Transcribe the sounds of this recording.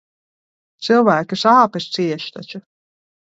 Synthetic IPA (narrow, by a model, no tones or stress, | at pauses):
t̪sɨlˠvæːkʲisaːpɨsʲt̪siɛʃt̪a̰t͡ʃʊ